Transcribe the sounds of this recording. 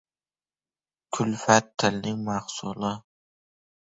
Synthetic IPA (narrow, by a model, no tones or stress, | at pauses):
kʰʊlfat̪ʰːɪlnɪŋmahsʊ̰lˠɨ